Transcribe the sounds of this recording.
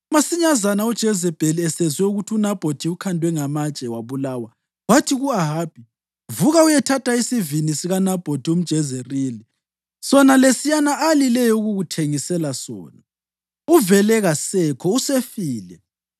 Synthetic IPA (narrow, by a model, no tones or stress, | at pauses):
umasiɲazanaud̥ʒ̥ʱɛzɛb̥ʱeliɛsɛzwɛuɣutʰunab̥ʱotʰiukʰandʱwɛŋamat͡ʃʼɛwaβulaːwa | watʰiɣuaɦaːb̥ʱi | vuɣaujɛtʰatʰaisivinisiɣanab̥ʱotʰium̩d̥ʒ̥ʱɛzeriːli | sɔnalesijanaalilɛjɔuɣuɣutʰeŋisɛlasɔ̰ːna | uvɛlɛɣasɛkʰɔusefiːlɛ